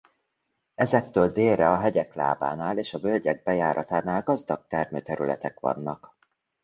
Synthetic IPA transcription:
ɛzɛk̚t̪ːøːld̪eːlrɛɒɦɛɟɛkla̰ːba̰ːnaːleːʃɒbølɟɛɡ̚bɛjaːɾɒt̪aːnaːlɡɒzd̪ɒk̚t̪ɛrmø̰ːt̪ɛɾylɛ̰t̪ɛkʋɒ̰nːɒk

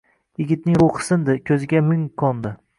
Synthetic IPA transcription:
jɪɡʲɪt̪̚nɪŋɾoqɨ̥sɪnd̪ɪkʲʰɵzɪɡʲamɪŋkʰɒnd̪ɪ

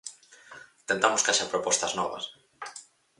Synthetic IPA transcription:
t̪ent̪amoskaʃaɾpɾopost̪aznoβ̞a̰s

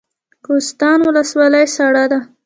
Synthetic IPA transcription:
kost̪ɑnwʊləswɑlajsaɽad̪a

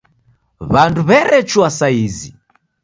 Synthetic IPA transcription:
βanduβɛɾɛt͡ʃuasaizḭ

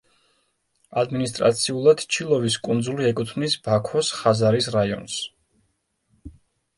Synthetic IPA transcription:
ad̪minist̪ʼɾa̰t̪sʰiulˠad̪̥t͡ʃʰilˠɔviskʼund̪zuliɛkʼut̪ʰvnisb̥akʰɔsχazaɾisɾaiɔ̰ns

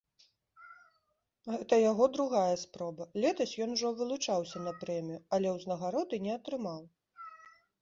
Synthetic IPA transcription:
ɣɛt̪ɐjaɣɔd̪ɾuɣajɐspɾɔbɐlʲɛt̪ɐsʲjɔnuʐɔvɨlˠut͡ʂawsʲɐnɐpɾɛmʲijuɐlʲɛwznɐɣaɾɔd̪ɨnʲɛɐt̪ɾɨmaw

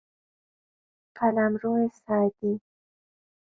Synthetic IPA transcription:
kʰalamɾoesɑːd̪i

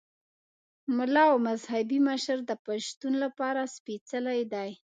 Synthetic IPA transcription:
mʊlɑwmazhabiməʃɾd̪əpaʃt̪unlapɑɾaspit͡səlajd̪aj

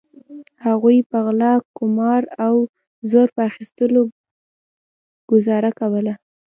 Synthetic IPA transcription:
haɣujpəɣlɑkːʊmɑɾaw | zoɾpəaxist̪əlo | ɡ̥ʊzɑɾakawəla

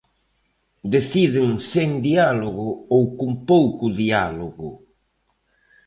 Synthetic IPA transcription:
d̪eθiðɪŋseŋd̪ialoɣʊowkumpowkʊðialoɣʊ

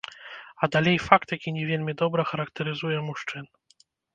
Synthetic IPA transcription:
ad̪alʲɛjfakt̪jakʲiɲɛvʲjɛlʲmʲɛd̪ɔbɾaxaɾak̚t̪ɛɾɘzujɛmuʂt͡ʂɘn

